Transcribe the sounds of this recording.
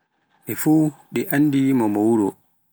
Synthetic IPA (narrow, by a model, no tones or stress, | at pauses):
ʔɛfuːɗɛʔanːdimɔmɔwuɾɔ